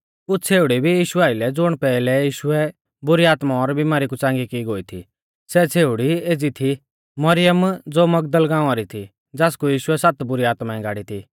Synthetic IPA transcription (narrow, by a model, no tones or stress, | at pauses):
ʊt͡sʰeːʊɽibʱijiːʃʊaːɪlɛd͡zʊɽ̃pɛːlɛjiːʃʊɛ | bʊɾiaːt̪maɔɾbimaːɾik̬ut͡sãːŋɡikiɡoːit̪ʰḭ | sɛt͡sʰeːʊɽieːd͡zit̪ʰi | mɐɾɪjəmd͡zoːmɐɡ̚d̪əlɡãːũaːɾit̪ʰi | d͡zaːskujiːʃʊɛsat̪bʊɾiaːt̪maɛ̃ɡaːɽit̪ʰi